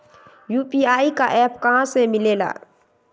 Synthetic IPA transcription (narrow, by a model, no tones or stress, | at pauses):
juːpiaːikaʔɛːpkɐɦãsemɪleːla̰ː